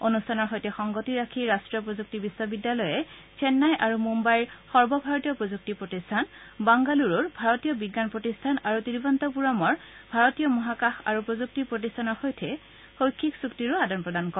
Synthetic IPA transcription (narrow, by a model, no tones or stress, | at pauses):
onustʰanɔɹɦɔjtʰɛxɔŋɡotiɹakʰiɹastɹijɔpɹozuk̚tibiswɔbidːalɔjɛ | t͡ɕʰɛnːajʔaɹumumbajɹxɔɹbɔbʱaɹɔtijɔpɹozuk̚tipɹotistʰanbaŋɡaluɹɔɹbʱaɹɔtijɔbiɡːanpɹotistʰanaɹutiɹibɔntɔp̬uɹamɔɹ | bʱaɹɔtijɔmɔɦakaxa̰ɹupɹozuk̚tipɹotistʰanɔɹxojtʰɛ | xojkʰːiksuktiɹʊadanpɹɔdankɔ